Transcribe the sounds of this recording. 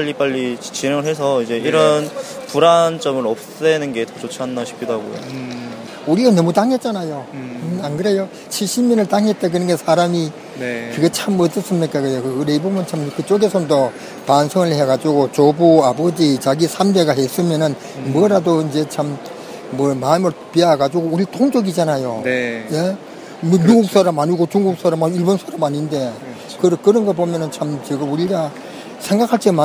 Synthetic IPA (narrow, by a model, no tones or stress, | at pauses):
aʎːip͈aʎːit͡ɕineŋɯɭhes̬ʰʌid͡ʑe̞iɾʌnpuɾant͡ɕ͈ʌmɯɾʌp̚s͈enɯnɡe̞tʌt͡ɕot͡ɕʰianːaɕʰi̥p̚kʰidoɦaɡojo̰ | uɾiɡanʌmutaŋɦe̞t̚t͡ɕ͈anajoanɡɯɾe̞jo | t͡ɕʰiɭɕ͈ʰimɲʌnɯɭt͈aŋɦe̞t̚t͈ek̬ɯnʌnɡesʰaɾami | kɯɡet͡ɕʰamʌt͈ʌs͈ɯmɲik͈akɯkɯkɯɾeibomɯnt͡ɕʰamkɯt͡ɕ͈oɡe̞sʰʌndʌ | pansʰoŋɯɭheɡad͡ʑuɡot͡ɕobuabʌd͡ʑit͡ɕaɡisʰamde̞ɡaɦes͈ɯmjʌnɯn | mɯʌɾadoind͡ʑe̞t͡ɕʰamː | ʌmamɯɭpiaɡad͡ʑuɡouɾitʰoŋd͡ʑʌɡid͡ʑanajoje̞ | mʌnuɡuk̚s͈ʰaɾamaɲiɡot͡ɕuŋɡuk̚s͈aɾamaiɭbʌnsʰaɾamaɲinde̞ | kɯɾkɯɾʌnɡʌbomjʌnɯnt͡ɕʰamt͡ɕiɡɯmuɾiɡa | sʰe̞ŋɡakʰaɭt͡ɕ͈ema